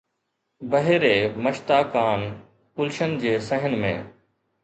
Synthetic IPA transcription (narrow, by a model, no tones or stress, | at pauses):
bəɦeːɾeːməʃt̪aːkaːn | pʊlʃənd͡ʑeːsə̃ɦənmẽː